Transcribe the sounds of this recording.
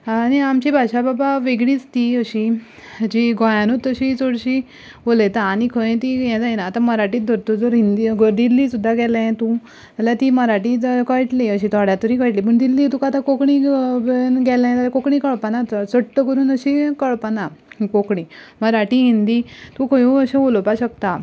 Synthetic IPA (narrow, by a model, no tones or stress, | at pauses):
aɽiamt͡ɕibʱaɕababaʋeɡɽiːt͡st̪iəɕi | d͡ʑiɡɔ̃jãnot̪ːəɕit͡soɽɕi | bolet̪aanikʰəjẽt̪ijɛ̃d͡zajinaːt̪aməɾaʈiːd̪ʱəɾt̪od͡zəɾɦind̪iɡəd̪ilːiːsud̪ʱːaɡɛlãt̪ũ | t̪aljat̪iməɾaʈikəʈliəɕit̪ʰɔɽjat̪əɾikəjʈlipəɳd̪ilːit̪ũkat̪ãkokɳĩ | nɡɛlãt̪aljakokɳĩkəɭpanat̪əsəʈʈːəkəɾuːnəɕikəɭpanakokɳĩməɾaʈiɦind̪it̪ũkʰəjũəɕẽʋolopaɕəkt̪a